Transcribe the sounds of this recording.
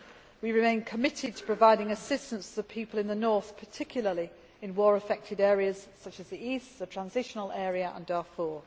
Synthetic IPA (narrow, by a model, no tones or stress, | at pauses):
wiɹɪmẽɪ̃nkʰəmɪtʰɪd̚tʰə̥pʰɹ̥əvaɪɾɪ̃ŋəsɪstə̃nstʰðəpʰiˑpəlˠɪ̃nðənɔˑθpʰətʰɪkʰjl̩ˠəli | ɪ̃nwɔːɹəfɛk̚tʰɪdɛːɹiəz̥sʌt͡ʃəzðiiˑstðətʰɹ̥ãnzɪʃənəlˠɛːɹiəʔə̰̃ndɑfɔː